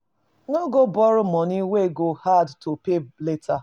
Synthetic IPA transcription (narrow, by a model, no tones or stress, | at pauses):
nɔɡobɔɾʊmɔniweɡohadtʰopeletʰa